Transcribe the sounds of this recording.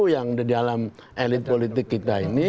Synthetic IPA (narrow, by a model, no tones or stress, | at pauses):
ujaŋdadialamʔelɪt̪̚polit̪ɪkːit̪aini